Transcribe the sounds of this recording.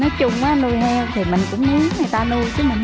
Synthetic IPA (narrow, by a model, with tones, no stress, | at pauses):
nɔ˨˦jt͡ɕʊ˧ŋ͡mʔaː˨˦nu˧jɦɛ˧wt̪ʰi˨˩mï˨˩ŋ̟kʊ̰˧˥ŋ͡mmu˨˦əŋŋaː˨˩jt̪aː˧nu˧jt͡ɕɨ˨˦mï˨˩ŋ̟